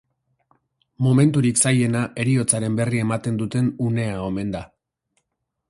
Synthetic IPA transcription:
mo̞me̞nt̪uɾiksaje̞naʔe̞ɾio̞t͡saɾe̞mbe̞rie̞mat̪e̞nd̪ut̪e̞nune̞ao̞me̞nd̪a

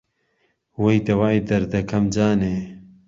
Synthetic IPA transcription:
wejt̪ɐwaːed̪ɐɾd̪ɐkʰɐmd͡ʒaːne

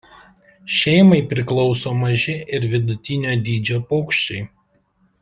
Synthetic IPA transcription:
ʃʲɛɪmɐɪpʲɾʲɪklˠɔʊsoːmɐʒʲɪʔɪɾʋʲɪd̪ʊt̪ʲɪnʲoːd̪ʲiːd͡ʒʲoːpɔʊkʃʲt͡ʃʲɛɪ

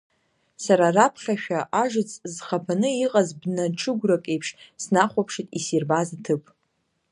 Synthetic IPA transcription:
saɾarapʰχʲaʃᶣaʔaʒɨt͡sʰʼzχapʰanɨiqʼazbnaʈ͡ʂʰɨɡʷrakʼe̞jpʰʂsnaχʷapʰʂitʼisirbazatʰɨpʼ

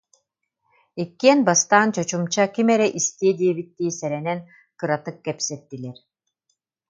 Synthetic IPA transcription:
ikːiɛnbast̪aːnt͡ʃɔt͡ʃumt͡ʃakʲimɛɾɛʔist̪iɛd̪ieβit̪ːiːsɛɾɛnɛn | kɯɾat̪ɯkːɛpsɛt̪ːilʲɛɾ

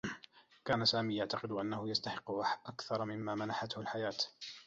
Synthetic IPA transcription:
kaːnasaːmiːjaʕt̪ɑqɨd̪ʔanːahʊjast̪aħɪqːʊʔakθɑɾˤɑmɪmːaːmanaħat̪hʊlħajaːt̪

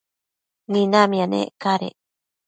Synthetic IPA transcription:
ninamianḛkaɾḛ

